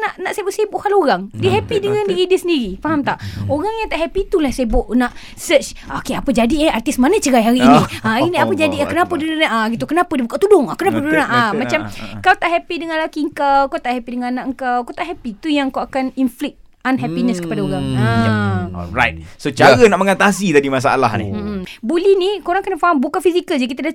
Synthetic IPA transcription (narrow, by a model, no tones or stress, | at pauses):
naʔnaʔsebʊʔsebʊʔkaloɾaŋdiɦɛpidəŋãndiɣidiəsəndiɾifaɦamt̪aʔoɾaŋjaŋt̪aʔɦɛpit̪ulahsebʊʔnaʔ | sət͡ʃ | akeapəd͡ʒadiɛart̪ismanət͡ʃəɾajɦaɾiːnĩainiapəd͡ʒadiakənapədinʔaɡit̪ukənapədibukaʔt̪udʊŋakənap̬əunaʔamat͡ʃamkawt̪aʔɦɛpidəŋãnlakiəŋ̩kawkawt̪aʔhɛpidəŋãnãʔəŋkawkawt̪aʔɦɛpit̪ujaŋkawakaninflɪk̚ | anɦɛpinəskə̥padaoɾaŋa | ɾa̰jt̪̚sot͡ʃaɾənaʔməŋat̪asid̪adimas̬aa̰la̰hnḭm̩bulɛhnikoɾaŋakanafaɦambukafisikəld͡ʒakit̪ada